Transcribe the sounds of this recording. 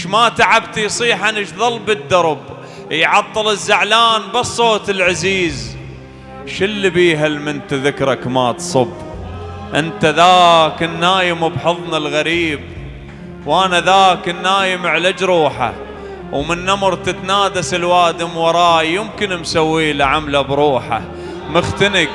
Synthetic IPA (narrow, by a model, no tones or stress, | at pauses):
ʃmat̪aʕabt̪ijsˤiːħanɪʃðˤɑlbɪd̪ːɑɾˤb | jʕɑt̪ˤːɨlɪzːaʕlaːnbɑsˤːoːt̪ɪlʕaziːz | ʃɪlːibiːɦalmɪnt̪aðɪkɾˤɑkmat̪sˤɨb | ʔɪnt̪aðaːkɪnːaːjɪmʊbħɨðˤnalɣaɾiːb | wʔanaðaːkɪnːaːjɪmɪʕlad͡ʒɾˤuːħa̰ | wmɪnːamɾt̪ɪt̪naːd̪asɪlwaːd̪ɪmwɑɾˤɑːjːɪmkɪnmsawːiːlaʕamlabɾuːħa̰ | mʊxt̪ɪnɪk